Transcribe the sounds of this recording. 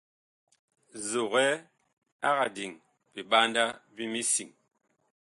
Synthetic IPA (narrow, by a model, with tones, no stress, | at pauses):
zo˨ɣɛ˦ | a˦ɣa˨di˨ŋ | bi˨ɓa˦nda˦bi˦mi˦si˨ŋ